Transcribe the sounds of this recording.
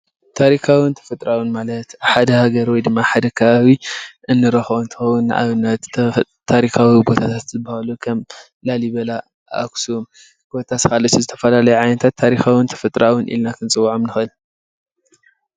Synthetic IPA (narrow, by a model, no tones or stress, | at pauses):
t̪ʰaɾikʰawint̪ʰɐ̥fɐt̪ʼɾawɨnmalɐt̪ħad̪ɐhaɡɐɾwɔjd̪ɨmːaħad̪ɐkʰɐβaβiʔɨnːɨɾɐxont̪ʰɨ̥xɐwunːɨ̰ʔa̰βɨnːɐt̪t̪ʰːaɾikawibo̞t̪ʰat̪ʰat̪zɨbahalukʰɐm | laliβɐla | ʔa̰ksuom | ɡot̪ʰaskʰalɐt̪ːuzɨt̪ʰɐ̥fɐlalɐjuʕajnɐt̪ʰat̪ʰːaɾixawɨnt̪ʰɐ̥fɐt̪ʼɾawʊnʔḭlnakʰɨnt͡sʼɨwːaʕomnɨxɨl